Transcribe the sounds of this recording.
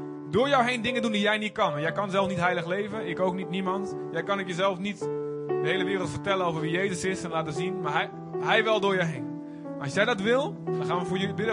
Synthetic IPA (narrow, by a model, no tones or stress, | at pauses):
dʊːɹjɔwɦejndɪŋəndundijɛjnit̚kɑnʋnjɛjkɑnzɛlˠfnitɦɛjləxlejvəjəknowk̚nitnimɑnt | jɛjkɑnokjəzɛlˠfnit | dəɦejləʋɪːrəlˠtfərtɛlənowvərʋijejzəsɪsɛnlaːtəzinmaːɹɦɛj | ɦɛjʋɛlˠdʊːɹjəɦejn | ɑsjɛjdɑtʋɪlˠdɔnxaːnʋəvʊːjəbɪdə